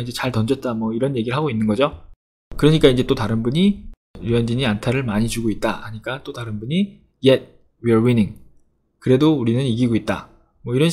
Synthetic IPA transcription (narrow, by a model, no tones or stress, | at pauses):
ind͡ʑe̞t͡ɕaɭtʌnd͡ʑʌt̚t͈amwʌiɾʌnje̞ɡiɾɯɭɦaɡoinːɯnɡʌd͡ʑo | kɯɾʌɲik͈aind͡ʑe̞t͈otaɾɯnbuɲi | ijʌnd͡ʑiɲiantʰaɾɯɭmaɲit͡ɕuɡoit̚t͈a̰haɲik͈at͈otaɾɯnbuɲi | jet̚ | wiʌwiniŋ | kɯɾe̞douɾinɯniɡiɡoit̚t͈a̰ | mwʌiɾʌn